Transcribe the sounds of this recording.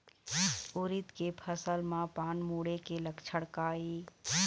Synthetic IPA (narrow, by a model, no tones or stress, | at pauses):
ʊɾɪt̪kepʰəsəlmãpaːnmuːɽekeləkt͡ʃʰəɽkaːiː